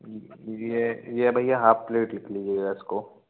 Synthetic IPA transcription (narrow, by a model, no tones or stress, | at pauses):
jejebʱajjaɦaːppleːʈlɪkʰliːd͡ʒeːɡaɪsko